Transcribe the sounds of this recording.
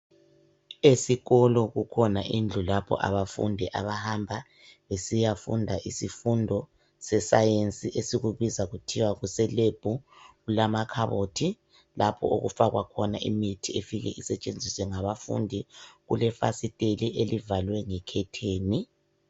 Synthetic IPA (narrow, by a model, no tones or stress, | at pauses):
esiɣɔlɔɣukʰɔnaʔind͡ɮʱulapʰɔ̰ʔa̰βafṵndʱiʔa̰βahambʱa | βesijafṵndʱaʔisifundʱɔ | sɛsajent͡sʼiʔesiɣuβizaɣutʰiwaɣusɛleb̥ʱu | ulamakʰaβotʰi | lapʰɔ̰ṵɣṵfaɣwakʰɔnaʔimitʰiefiɣɛ̰ʔisɛt͡ʃʼend͡zʱiswɛŋaβafṵndʱiɣṵlɛfa̰sitʼeliʔelivalwɛŋɛkʰɛtʰeːni